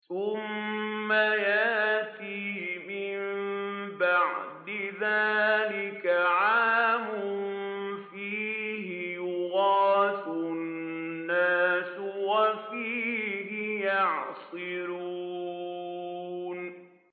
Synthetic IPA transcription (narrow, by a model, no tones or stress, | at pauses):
θʊmːajaʔt̪iːmɪmmbaʕd̪ɪðaːlɪkaʕaːmʊʊnfiːhɪjʊɣɑːsʊn | nnːaːswafiːɦɪjɑʕsˤɨɾuː | n